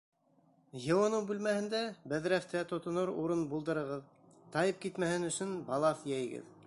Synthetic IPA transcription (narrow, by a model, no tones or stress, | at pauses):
jɤ̆wɑnɤwbʉlmæhɘ̆nd̪æbæðɾæft̪ʰæt̪ŏt̪ŏnoɾuɾɤnbulˠd̪ɤ̆ɾɤ̆ʁɤð | t̪ɑjɤp̚kit̪mæhɘnɵ̆sɵnbɑlˠɑθjæj̆ɡɘ̰ð